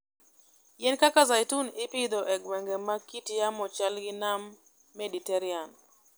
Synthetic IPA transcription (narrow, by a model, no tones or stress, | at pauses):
jɛnkakazajtunɪpɪd̪ɔʔɛɡwɛŋɡɛmakitjamɔt͡ʃalɡɪnamː | editɛɾian